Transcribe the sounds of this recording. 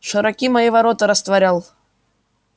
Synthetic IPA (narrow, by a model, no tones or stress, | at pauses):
ʂɨɾɐkʲimɐjivɐɾot̪əɾəst̪vɐɾʲalˠ